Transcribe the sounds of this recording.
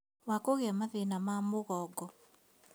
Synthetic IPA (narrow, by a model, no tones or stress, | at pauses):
wakoɣeamaðenamamoɣɔɡɔ